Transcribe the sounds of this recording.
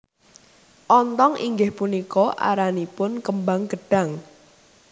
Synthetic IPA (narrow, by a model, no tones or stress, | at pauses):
ʔɔnt̪ɔŋḭŋɡɪhpunikɔʔa̰ɾanipʊnkəmbaŋɡ̥əɖ̥a̤ŋ